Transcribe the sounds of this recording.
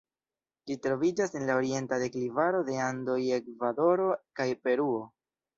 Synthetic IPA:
d͡ʒitɾo̞vid͡ʒase̞nlao̞ɾie̞ntade̞klivaɾo̞de̞ando̞je̞kvado̞ɾo̞kajpe̞ɾuo̞

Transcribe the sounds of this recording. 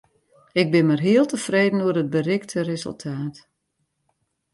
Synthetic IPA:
ɪɡ̚bɪnmarɦiəlˠtəfreːdən̩uərəd̚bərɪktʰərezə̰lˠtʰaːt

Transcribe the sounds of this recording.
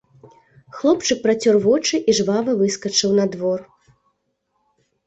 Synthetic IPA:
xlˠɔpt͡ʂɨk̚pɾɐt͡sʲɔrvɔt͡ʂɨʔiʐvavɐvɨskɐt͡ʂɨwnɐd̪vɔr

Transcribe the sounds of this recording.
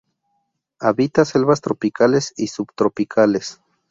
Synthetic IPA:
aβit̪aselβast̪ɾopikʰalesisubt̪ɾopikʰales

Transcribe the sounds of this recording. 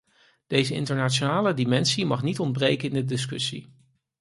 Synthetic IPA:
d̥ejzəɪ̰ntəɹnaːt͡ʃonaːlədimɛnsimɑχnitɔnd̚brejkənɪndədɪs̬kɵsḭ

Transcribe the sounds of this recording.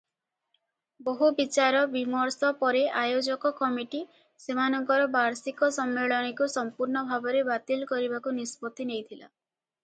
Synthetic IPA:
boɦubit͡ʃaɾɔbimɔɾsɔpɔɾeʔajod͡ʒɔkɔkɔmiʈi | semanɔŋkɔɾɔbaɾsikɔsɔmːeɭɔɽ̃ikusɔmpuɾɳɔbʱabɔɾebat̪ilkɔɾibakunispɔt̪inejt̪ʰila̰

